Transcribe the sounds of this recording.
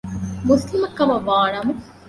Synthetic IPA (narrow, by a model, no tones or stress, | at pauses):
muslimɐkːɐmɐʋaːɳɐmu